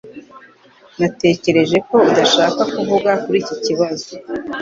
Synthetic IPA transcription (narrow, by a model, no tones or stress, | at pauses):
nate̞ːce̞ɾe̞ʒe̞ko̞udaʃaːkakuvuɡakuɾiːcociβazo